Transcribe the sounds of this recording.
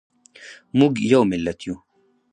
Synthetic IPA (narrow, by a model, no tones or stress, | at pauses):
muɡjɐwmɪlːɐt̪ju